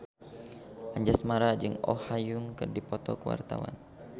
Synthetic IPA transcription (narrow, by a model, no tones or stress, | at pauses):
ʔaɲd͡ʒasmaɾad͡ʒɨŋɔ̰hajuŋkɨrdipɔt̪ɔkəwa̰rt̪awa̰n